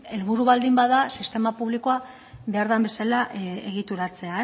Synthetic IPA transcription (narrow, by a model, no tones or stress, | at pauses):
e̞lβuɾuβald̪imbaðasist̪e̞mapuβlikoa | βe̞aɾt̪ambe̞salaʔe̞ɣ̞it̪uɾat͡se̞ae